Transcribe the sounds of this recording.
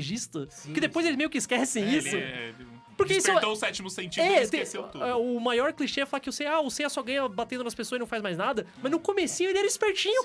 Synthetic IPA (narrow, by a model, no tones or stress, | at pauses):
ʒist̪ɐ | kɪd̪epojzelɪzmejʊkɪiskɛsẽj̃isʊ | pʊɾkeist̪oʊsɛt͡ʃimʊsẽnt͡ʃiɛtseeseuɛʊmajɔɾkliʃeɛfalakɪeʊsejɐaʊsejɛsɔɡɐ̃ɲɐbat̪ẽnd̪ʊnɐspesozinɐ̃w̃fajzmajznad̪ɐmɐznʊkomesĩɲʊelɪɛɾɐd͡ʒispeɾt͡ʃĩɲʊ